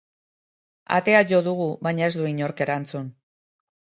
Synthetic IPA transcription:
a̰t̪e̞aʝo̞ðuɣ̞uβajɲae̞zd̪uiɲo̞ɾke̞ɾant͡sun

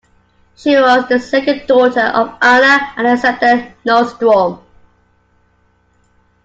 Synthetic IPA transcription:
ʃiwɒzðəsɛkə̃ndɔˑtəʔə̰vʔanəə̃nəsɛp̚tənɔsdɔm

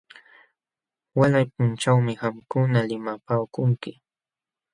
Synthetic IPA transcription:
walajp̚ʊnt͡ʃawmɪxamkʊnalɪmapaːkʊŋkɪ

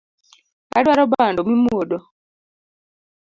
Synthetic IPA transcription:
a̰dwaɾɔbandɔmimodo

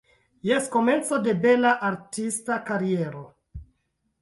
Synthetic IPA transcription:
jesko̞me̞nt͡so̞de̞be̞laʔaɾtistakaɾieɾo

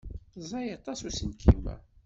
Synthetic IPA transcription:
zˤɑjɑt̪ˤɑsusənkʰḭmæ̰

